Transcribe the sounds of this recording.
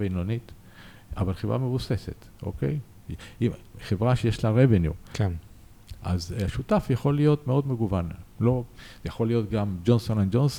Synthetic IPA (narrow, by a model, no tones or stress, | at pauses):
veinonit | a̰valχevʁa̰mevusese̞t̪ | ʔo̰kḛj | iχevʁaʃejeʃlaʁevenju | ʔa̰zaʃutafjaχo̞lijo̞t̪meo̞dmeɡuvanlo̞zejaχolijo̞t̪ɡamd͡ʒonsonand͡ʒons